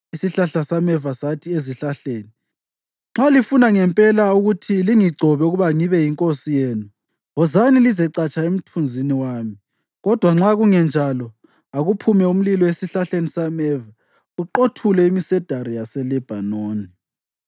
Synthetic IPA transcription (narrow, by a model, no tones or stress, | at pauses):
isiɬaɬasamɛvasatʰieziɬaɬeːni | ŋ͡ǁalifunaŋɛmpʼɛlauɣutʰiliŋiɡ͡ǀʱɔβɛuɣuβaŋiβɛjiŋkʼosijeːnu | ɔzanilizɛǀat͡ʃʰʼaem̩tʰund͡zʱiniwaːmi | ɣɔd̥ʱwaŋ͡ǁaɣuŋɛnd͡ʒʱalɔ | aɣupʰumɛum̩lilɔwesiɬaɬenisamɛva | uǃotʰulɛimisɛd̥ʱaɾijasɛlɛb̥ʱanoːni